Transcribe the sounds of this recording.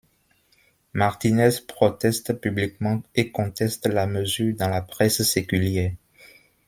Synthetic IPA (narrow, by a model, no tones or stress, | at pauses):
maʁt̪inɛspχɔt̪ɛst̪pyblikmɑ̃ekɔ̃t̪ɛst̪laməzyːʁd̪ɑ̃lapʁɛssekyljɛʁ